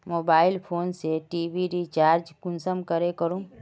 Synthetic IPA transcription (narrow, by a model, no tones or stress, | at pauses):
moːbaːɪlpʰoːnseʈiːʋiɾit͡ʃaːɾd͡ʒkʊnsəmkəɾekəɾũː